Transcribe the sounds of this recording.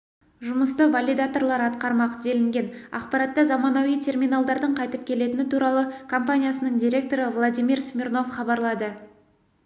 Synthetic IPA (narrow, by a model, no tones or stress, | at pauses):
ʒʊməst̪əvalʲid̪at̪o̞rlˠɑɾɑt̪qɑɾmɑqəd̪e̞lɪŋɡʲe̞nɑ̰qpɑɾɑt̪ːɑzɑmɑnɑwijt̪ʲʰe̞rmʲinalˠd̪ɑɾd̪əɴqʰɑjt̪əp̚kʲʰe̞le̞t̪ɪnɪt̪ʰuɾɑlˠəkʰompanʲijasənəɴd̪ijɾʲe̞k̚t̪o̞ɾɪvlˠad̪ʲijmirsmʲirno̞fχɑbɑɾlˠɑd̪ə